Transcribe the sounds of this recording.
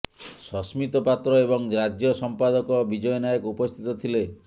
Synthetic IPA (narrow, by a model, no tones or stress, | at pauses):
sɔsmit̪ɔpat̪ɾɔebɔŋɾad͡ʒjɔsɔmpad̪ɔkɔbid͡ʒɔjɔnajɔkupɔst̪ʰit̪ɔt̪ʰile